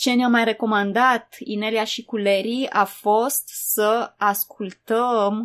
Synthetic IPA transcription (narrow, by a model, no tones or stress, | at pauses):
t͡ʃe̞neamajre̞ko̞mand̪at̪ineliaʃikuleɾiafo̞st̪səaskult̪əm